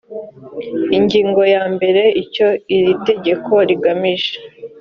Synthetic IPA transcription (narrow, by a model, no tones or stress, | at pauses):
iɲɟiːŋɡo̞jaːmbe̞ɾe̞ico̞iɾite̞ɟe̞kʰo̞ɾiɡamiʒe̥